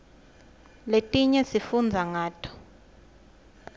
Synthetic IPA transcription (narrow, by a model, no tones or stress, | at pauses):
letʼiɲɛsifund͡zʱaŋaːtʰɔ̥